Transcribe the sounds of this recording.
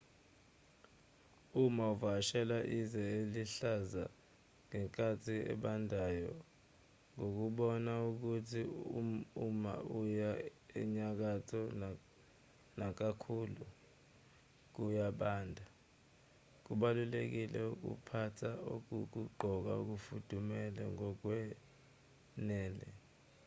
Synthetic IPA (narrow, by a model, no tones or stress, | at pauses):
umauvaʃɛlaʔizɛeliɬaza | ŋɛŋkʼatʰiɛ̰ɓandʱajɔ̰ | ŋok̬uɓɔnauk̬utʰi | uma̰ujaɛ̰ɲak̬atʰɔ | nak̬akʰuːlu | k̬ujaɓaːndʱa | k̬uɓalulek̬ilɛuk̬ṵpʰatʰaok̬uk̬uɡ͡ǃʱɔk̬a̰uk̬ufud̥ʱumɛlɛŋɔk̬wɛ | nɛːlɛ̰